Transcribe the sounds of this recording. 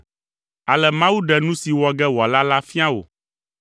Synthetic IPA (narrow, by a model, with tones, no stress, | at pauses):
a˨lɛ˨mã˦wu˦ɖɛ˨nũ˦si˨wɔ˨ɡɛ˦wo˨a˨la˦la˦fi˦ã˦wo̰˨